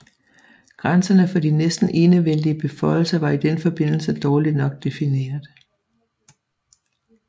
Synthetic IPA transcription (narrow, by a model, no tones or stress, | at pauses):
ɡ̥ʁansɐnəfɒ̽d̥inesd̥n̩ʔe̝ːnəʋel̰d̥iəb̥e̝fɒ̽ɪ̰l̩sɐʋɑ̈id̥enfɒ̽b̥e̝n̰l̩səd̥ɒːlid̥nɒ̽ɡ̥̚d̥e̝fine̝̰ːɐðˠ